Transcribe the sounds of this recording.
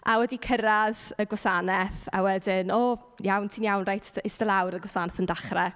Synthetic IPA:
ʔawɛdikʰəɾaðəɡwɔsanɛθa̰wɛdɪnɔː | jawntʰinjawnrajtʰɪstəlˠawɾəɡwɔsanɛθəndaχrɛ

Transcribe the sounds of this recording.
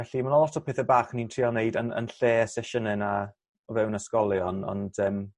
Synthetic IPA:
ɛɬimanɔlˠɔtʰɔpʰeːθɛbaːχəniːntʰiːɔnejdənə̰nɬeːəsɛʃənɛna | ɔvɛwnaskɔlˠjɔnɔ̰nd̥ɛːm

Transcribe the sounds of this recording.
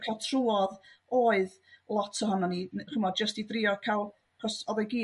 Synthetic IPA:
kʰalˠtʰruɔðoːɨð | lˠɔtʰɔɦɔnɔniχəmɔdd͡ʒəstiðrɪɔkʰalˠ | χɔsɔðɛɡiː

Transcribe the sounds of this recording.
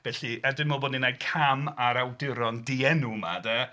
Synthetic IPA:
v̥ɛɬiɛdɪnmɔbɔdninajkʰamaɾawdɪɾɔndiɛnuma̰dɛ

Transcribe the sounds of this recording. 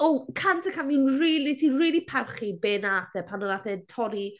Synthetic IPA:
okʰantʰəkʰanvinriːlˠitʰiːriːlˠipʰarχibeːnaθɛpʰanəlaθɛtʰɔɾi

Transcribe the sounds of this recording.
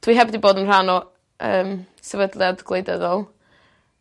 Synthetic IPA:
tʰwiɦɛbdiboːdənr̥anɔ | əːm | sɛvədlˠiadɡlˠejdəðɔlˠ

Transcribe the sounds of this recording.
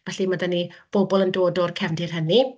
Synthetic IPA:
vɛɬimədanib̥obɔlˠəndoːdɔrkʰɛvndɪrɦəni

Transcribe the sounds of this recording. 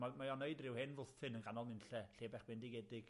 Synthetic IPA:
amajɔneɨdrɪwhɪnvʊlˠθɨnənɡanɔlˠnɪnɬɛɬeːbɛχb̥ɪndɪɡɛdɪɡ̥

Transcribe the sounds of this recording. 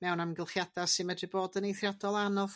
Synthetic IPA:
mɛwnamɡɪlˠχjadasɪmɛdriboːdənejθrjadɔlˠanɔv

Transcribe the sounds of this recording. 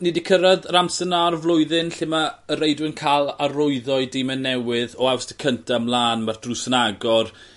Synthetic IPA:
nɪdikʰəɾaðramsənarvlˠʊɨðɨnɬɪmaəɾejdwɪənkʰalˠaɾʊɨðɔɨdimɛnːɛwɪðɔawsd̥əkʰəntʰamlˠaːnmard̥rusənaɡɔr

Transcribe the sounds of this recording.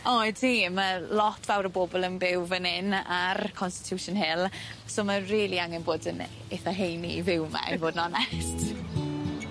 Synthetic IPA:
ɔɨd̥ʰiməlˠɔtʰv̥awɾəboːbɔlˠənbɪwvənɪnarkʰɔnstɪ̥tʰjuːʃʊnɦɪlˠsoːmariːlˠiaŋɛnboːdən | eθaɦejnḭvɪwma̰ḭvoːdnɔnɛst

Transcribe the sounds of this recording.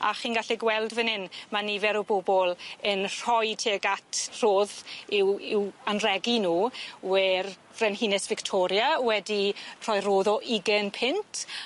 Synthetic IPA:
a̰χiːnɡaɬɛɡwɛlˠdvənɪnmanivɛɾɔbobɔlˠənr̥ɔjtʰeːɡatʰr̥oːðɪwɪwanrɛɡinuːwɛr | rɛnɦinɛsv̥ɪktʰɔɾjawɛdir̥ɔjroːðɔʔiɡənpʰɪntʰ

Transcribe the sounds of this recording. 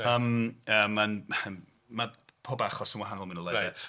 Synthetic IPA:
əːməːmːan | mapʰoːbaχɔsənwaɦanɔlˠminəlˠɛdɛtʰ

